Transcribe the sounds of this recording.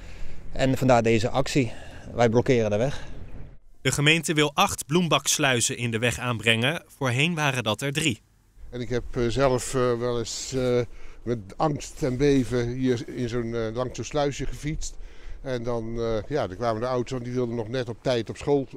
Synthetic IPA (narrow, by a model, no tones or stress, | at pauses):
ʔɛ̰nfɑndaːɹdejzəʔɑksiʋɛjblɔkɪːrəndəʋɛχ | d̥əχəmejntəʋɪlˠʔɑχtblumbɑkslœɥzəʔɪndəʋɛχaːnbrɛŋəv̥ʊːɹɦejnʋaːrədɑtɛɹdri | ɛnɪkɦɛpzɛləfʋɛlˠɪs | mɛtɑŋkstɛnbejvəɦiːɹɪnzonlɑŋsonslœɥsəχəfitstɛndɑnjaːdəkʋaːmədəʌwtoɛndiʋɪlˠdənɔχnɛtɔp̚tɛjtɔpsχolˠ